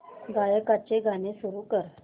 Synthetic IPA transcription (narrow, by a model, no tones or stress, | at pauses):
ɡajəkat͡ɕeɡʱanesuɾuːkəɾ